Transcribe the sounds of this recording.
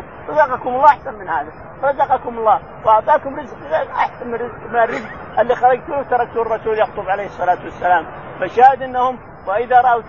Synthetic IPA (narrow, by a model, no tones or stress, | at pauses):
ɾˤɑzɑqɑkʊmɑlˤːɑːʔaħsanmɪnhaːða | ɾˤɑzɑqɑkʊmɑlˤːɑː | wʔɑʔt̪ˤɑːkʊmɾɪzqʔaħsanmɪrːɪzqmɪnarɪzq | ʔɪlːixɑɾˤɑɡt̪ut̪ɑɾˤɑɡ̚t̪urˤɑsuːljɑɣt̪ˤʊbʕalejhɨsˤːɑlaːt̪wasːalaːm | maʃaːhɪd̪ʔɪnːahʊm | wɪʔɪðaɾˤɑʔawt̪